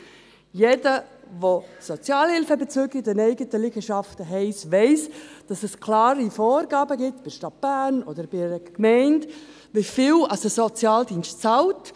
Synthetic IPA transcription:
jedə | vosɔt͡sjɑːlhɪlfəbɛt͡søːɡɪdɛnɛɪɡətəliɡəʃɑftəɦɛɪsʋɛɪsd̥ɑsɛskʰlɑːɾifɔːrɡɑːbəɡɪtb̥ɪʃtɑt̚b̥æːnɔdəɾb̥ɪɾəkmɛɪnd | ʋɪfiːwɑsəsɔt͡sjɑːldiːnstt͡sɑlt

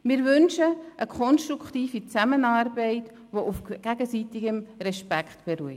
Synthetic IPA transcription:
mɪːɾvʏnʃəʔəkʰɔnʃtɾukχtiːfit͡sæmənɑːɾbɛɪt | ʋoʔufɡ̥æɡəsitiɡəmɾɛʃpækχtb̥ɛɾuə

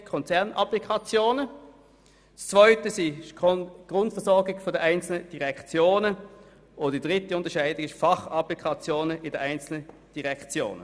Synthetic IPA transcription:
kʰɔnt͡sɛɐnɑ̰plikʰɑt͡sjoːnə | st͡sv̥ɔʏtəsi | ɡ̥ʁʊntfəɐsɔɐɡɪɡfodɛaɪnt͡sl̩nəd̥iʁɛkt͡sjoːnə | ʔodd̥id̥ʁɪtiʊntɐʃaɪdɪɡɪʃfɑχɑplikʰɑt͡sjoːnəʔɪdɛʔaɪnt͡sl̩nə | d̥iʁɛkt͡sjo̰ːnə

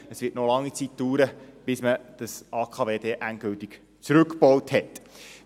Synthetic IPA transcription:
əsvɪːtnolɑŋːit͡sit̚d̥uːɾəb̥ɪsməd̥əsɑːkʰɑːveːdeʔænt̚ɡ̥ɵltik | t͡sɾʉkpɔwthɛt

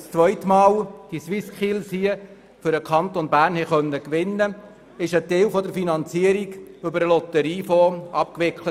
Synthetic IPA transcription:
st͡sʋœʏt̪mɑːld̥iswɪskʰilsiə | fʏɾəkʰɑnt̪onbæːɾnhɛχœnːəkʋɪnːə | ɪʃət̪eːwfɔd̪əɾfinɑnt͡siəɾiɡʏbəɾəlɔt̪əɾiːfɔɑp̚kʋɪkχlə

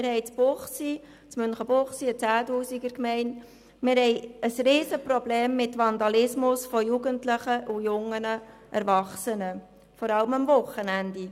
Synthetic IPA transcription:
mɪɾɦɛɪt͡sbʊχsi | t͡smʏnχəbʊχsiət͡sæːtuːsiɡəɾkmɛɪnt | mɪɾɦɛɪəsriːsəpɾɔbleːmːɪtvɑnd̪ɑlɪsmʊsfɔjuɡəntlɪχəʔujʊŋənə | ʔɛɾvɑχsənə | fɔɾɑlməmvʊχːənænd̥i

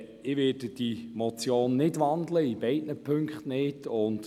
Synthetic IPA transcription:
ɪʋeːdəd̥imɔt͡sjoːnːɪdʋɑndləibɛɪtnəpʰɵŋkχtnɪdʊnt

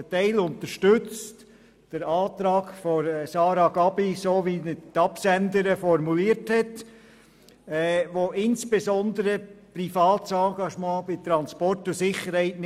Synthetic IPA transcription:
ətɛɪlʊnt̪əʃtʏt͡st | d̥əɾɑːt̪ɾɑːɡfɔɾsɑːɾɑɡ̥ɑbisoːʋinətɑpsændəɾəfɔɾmuliːɾthɛt | ɛʋoʔɪnsb̥esɔnd̪əɾəprifɑːtsɑːɡɑʃmɑ̃ːb̥ɪt̪ɾɑnspɔrtʊsɪχəɾhɛɪtn

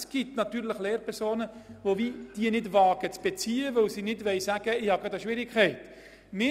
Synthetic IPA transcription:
sɡ̥itnɑt̪yːɾləχleːɾpʰɛɾsoːnəvoviːd̥iːnɪdvɑːɡ̥ət͡sb̥et͡siːəʋɵwsiːnɪdʋɛɪsæːɡ̥əɪhɑɡɑdəʃʋɪɾɪkʰχɛɪt | mɪ

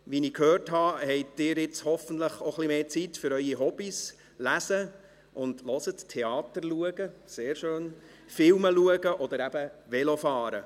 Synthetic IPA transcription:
ʋinikʰhøːrtɦɑhɛɪd̥ɪːɾɪt͡shɔfən̩tləχoχlimeːt͡sitfʏɾœʏiɦɔb̥is | læsə | ʔʊndlɔsəttʰːeɑːt̪əɾluəɡəseːɾʃøːn | fɪlməluəɡəʔɔd̪əɾæb̥əʋɛlofɑːɾə

